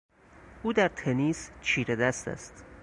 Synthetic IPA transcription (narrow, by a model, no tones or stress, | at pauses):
ʔuːd̪æɾt̪ʰeniːst͡ʃʰiːɾed̪æst̪æ̰st̪